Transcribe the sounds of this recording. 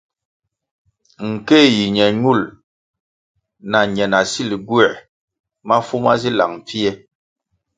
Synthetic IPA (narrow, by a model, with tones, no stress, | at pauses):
ŋ̩˨ke˦˨ji˨ɲɛ˨ɲu˦˨l | na˨ɲɛ˨na˨si˦li˨ɡwɛ˨ | ma˦fu˦ma˦zi˦la˨ŋ˨p͡fi˦ɛ˦